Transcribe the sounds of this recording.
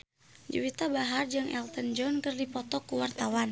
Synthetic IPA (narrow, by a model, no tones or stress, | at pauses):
d͡ʒṵwit̪abaɦard͡ʒɨŋɛ̰lt̪ənd͡ʒɔnkɨrdipɔt̪ɔkːuwart̪awan